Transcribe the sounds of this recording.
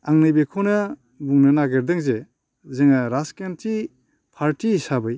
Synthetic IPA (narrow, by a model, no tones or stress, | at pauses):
aŋnɯjbekʰownɐ | buŋnɯnaɡeɾd̪ɯŋze | zeŋaɾaskentʰi | pʰaɾtisabɯj